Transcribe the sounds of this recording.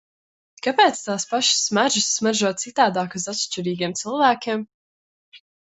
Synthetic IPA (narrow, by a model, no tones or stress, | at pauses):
kapɛːt̪st̪aːspaʃi̥sːmaɾʒisːmaɾʒuɔːt̪sit̪aːd̪aːkuzat̪ʃt͡ʃiɾiːɡʲiɛmt̪sɨlˠvæːkʲeɛm